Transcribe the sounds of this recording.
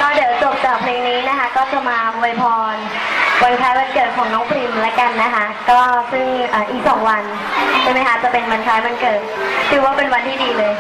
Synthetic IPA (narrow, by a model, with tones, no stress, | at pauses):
k̪ɔː˥˩di˩˦wt͡ɕo˨˩p̚t͡ɕaː˨˩k̚pʰleː˧ŋniː˦˥na˦˥kʰa˦˥kɔː˥˩t͡ɕa˧maː˧bu˧jpʰɔː˧n | wa˧nkʰaː˦˥jma˧nkɤː˨˩t̪̚kʰɔː˩˦ŋnɔː˦˥ŋpʰli˧mlɛ˦˥ka˧nːa˦˥kʰa˦˥kɔː˥˩sɯ˥˩ŋʔaː˨˩ʔiː˨˩k̚sɔ̰ː˩˦ŋwa˧n | t͡ɕʰa˥˩ma˦˥jkʰa˦˥t͡ɕa˨˩pe˧nwa˧nkʰaː˦˥jma˧nkɤː˨˩t̪̚kʰɯː˧˩waː˥˩pe˧nwa˧nt̪ʰiː˥˩diː˧lɤː˧j